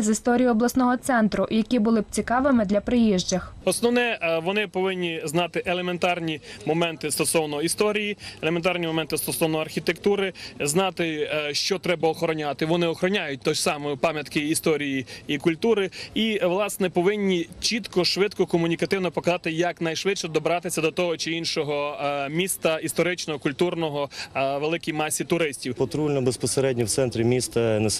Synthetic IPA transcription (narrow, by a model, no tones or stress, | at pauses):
zist̪ɔɾʲijʊɔblˠɐsnɔɦɔt̪sɛnt̪ɾʊʔjɐkʲibʊlˠɪbt͡sʲikɑʋɪmɪd̪lʲɐpɾɪjiʒd͡ʒɐxɔsnɔwnɛʋɔnɪpɔʋɪnʲːiznɑt̪ɪʔelˠement̪ɑrnʲimɔmɛnt̪ɪst̪ɔsɔwnɔist̪ɔɾʲijielˠement̪ɑrnʲimɔmɛnt̪ɪst̪ɔsɔwnɔɐrxʲit̪ekt̪uɾɪznɑt̪ɪʃt͡ʃɔt̪ɾɛbɐɔxɔɾɔnʲat̪ɪʋɔnɪɔxɾɔnʲajʊt̚ʲt̪ɔsɑmɔjʊpɑmʲjɐt̪kɪːst̪ɔɾʲijiikʊlʲt̪uɾɪiʋlˠɑsnɛpɔʋɪnʲːit͡ʃit̪kɔʃʋɪd̪kɔkɔmʊnʲikɐt̪ɪwnɔpɔkɐzɑt̪ɪjɐknɐjʃʋɪtʃɛd̪ɔbɾɑt̪ɪsʲɐd̪ɔt̪ɔɦɔt͡ʃɪinʃɔɦɔmʲist̪ɐist̪ɔɾɪt͡ʃnɔɦɔkʊlʲt̪urnɔɦɔʋelˠɪkʲijmɑsʲit̪ʊɾɪsʲtʲiwpɔt̪ɾulʲnɔbespɔseɾɛdʲnʲɔwt̪sɛnt̪ɾʲimʲist̪ɐnɛ